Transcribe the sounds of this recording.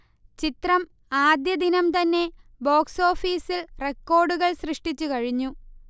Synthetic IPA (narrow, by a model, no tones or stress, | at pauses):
t͡ɕit̪rɐm | aːd̪jɐd̪inɐmt̪ɐnːe̞bo̞ːkso̞ːfiːsilre̞kːo̞ːrɖuɣɐɭsrɨʂʈit͡ɕːukɐɻiɲːu